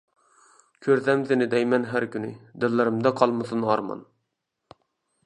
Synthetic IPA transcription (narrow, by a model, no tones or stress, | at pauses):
kʲʰøɾsɛmsɪnɪd̪ɛjmɛnɦæɾkʲʰynɪd̪ɪlːɪɾɪmd̪ɛqʰɑlˠmɨsɨnɑɾmɑ̰n